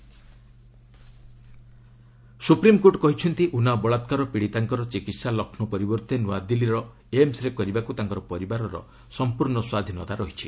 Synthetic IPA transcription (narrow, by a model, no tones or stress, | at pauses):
supɾimkoʈkɔɦit͡ʃʰɔnt̪iʔunabɔɭat̪kaɾɔpiɽit̪aŋkɔɾɔt͡ʃikit̪salɔkʰnɔpɔɾibɔɾt̪enua̰d̪iliɾɔ | eemsɾekɔɾibakut̪aŋkɔɾɔpɔɾibaɾɔɾɔ̰ | sɔmpuɾɳɔswad̪ʱinɔt̪aɾɔɦit͡ʃʰi